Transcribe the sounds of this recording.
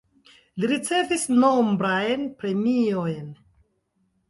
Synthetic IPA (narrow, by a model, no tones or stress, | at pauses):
liɾit͡se̞visno̞mbɾajnpɾe̞miojn